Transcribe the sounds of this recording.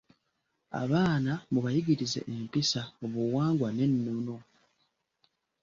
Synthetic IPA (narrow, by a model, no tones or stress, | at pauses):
a̰βaːnamuβajiɡiɾize̞̰ʔempisaoβuwaːŋɡwane̞nːono̞